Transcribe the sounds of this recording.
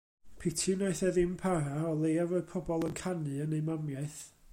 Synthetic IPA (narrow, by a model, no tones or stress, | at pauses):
pʰɪtʰɨnaɨθɛðɪmpʰaɾaɔlˠejavoɨð̥pʰɔbɔlˠənkʰanɨənejmamjaɨθ